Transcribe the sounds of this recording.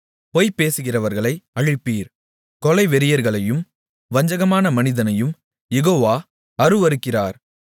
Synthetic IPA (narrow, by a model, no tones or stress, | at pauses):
pɔjpːeːsɯɣɪrɐʋɐɾɣɐɭɐɪɐɻɪpːiːɾ | kɔlɐɪʋɛɾɪjɐɾɣɐɭɐjɯm | ʋɐɲd͡ʒɐɣɐmaːnɐmɐnɪðɐnɐjɯm | jɛɣoːʋaː | ɐɾɯʋɐɾɯkːɪraːɾ